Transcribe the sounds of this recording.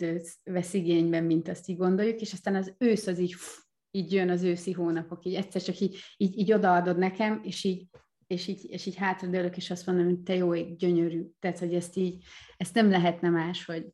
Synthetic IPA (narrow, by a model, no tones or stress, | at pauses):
d̪øːt̪vɛsiɡeːɲbɛmːint̪ɒst̪iːɟɡo̞nd̪ojːukeːʃɒst̪aːnɒzøːsɒziːɟf | iːɟjønɒzøːsiɦoːnɒpo̞kiːɟɛcʲsɛrt͡ʃɒkiːɟiːɟiːɟo̞d̪ɒɒd̪o̞d̪nɛkɛmeːʃiːɟ | eːʃiːɟeːʃiːɟɦaːt̪rɒd̪øløkeːʃɒst̪mo̞nd̪omot̪ɛjoːeɡɟøɲøɾyːt̪ɛːt̪ho̞ɟɛst̪iːɟɛst̪nɛmlɛɦɛt̪nɛmaːʃho̞ɟ